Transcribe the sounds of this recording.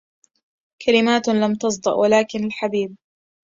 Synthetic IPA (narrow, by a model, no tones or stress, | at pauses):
kʰalɪmaːt̪lamt̪ɑs̬ˤd̪ˤɑ̰ʔwalaːkɪnalħabiːb̚